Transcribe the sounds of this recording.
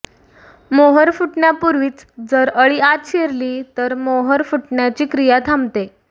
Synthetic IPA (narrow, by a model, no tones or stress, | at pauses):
moɦəɾfuʈɳjapuɾʋiːt͡sd͡zəɾəɭiːat̪ɕeɾliːt̪əɾmoɦəɾfuʈɳjat͡ɕiːkɾijat̪ʰamt̪e